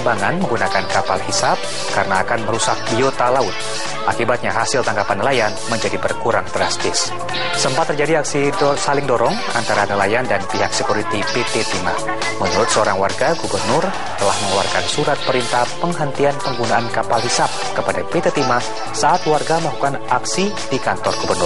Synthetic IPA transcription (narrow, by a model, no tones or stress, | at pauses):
baŋanməŋɡunakankapalhisap̚ | kaɾənaːkanməɾusak̚biot̪alaʊt̪̚ | ʔakibat̪̚ɲaɦasɪlt̪aŋɡapanːəlajanməɲd͡ʒadibərkuɾaŋdɾa̰st̪ɪs | səmpat̪ːərd͡ʒadiaksisalɪŋdɔɾɔŋ | a̰nt̪aɾanəlajandanpiɦak̚səkuɾit̪ipet̪et̪ima̰ | mənuɾʊt̪̚səoɾaŋwarɡaɡubərnʊr | t̪əlahməŋulwa̰rkansuɾat̪̚pəɾint̪apəŋɦənt̪ianpəŋɡunaankapalɦisap̚kəpadapet̪et̪ima | saʔat̪warɡamaɦukanʔaksi | dikant̪ɔrɡubərnʊr